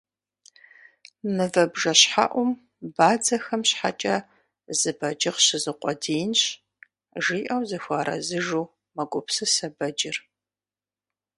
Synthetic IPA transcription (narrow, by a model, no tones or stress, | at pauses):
nɨvɐbʒɐɕħa̰ʔʷʊm | baːd͡zɐxɐmɕħa̰t͡ʃʼɐ | zɨbɐd͡ʒɪqɕɪzɨqʷʼɔdiːnɕ | ʒiːʔɐwzɨxʷaːɾɐ̰zɨʒuː | mɐɡʷʊpsɨsɐbɐd͡ʒɪr